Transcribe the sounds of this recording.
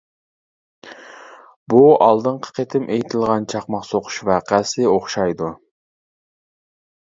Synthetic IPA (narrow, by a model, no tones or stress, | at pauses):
buɑlˠd̪ɨɴqʰə̥qʰet̪ʰɪmʔejt̪ʰɪlˠʁɑnt͡ʃʰɑχmɑqsoqʰʊ̥ʃvæqæsɪoχʃɑjd̪u